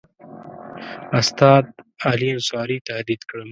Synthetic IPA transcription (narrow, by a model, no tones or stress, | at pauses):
ast̪ɑːt̪̚aliɐnswɑːɾit̪ahd̪id̪kɽə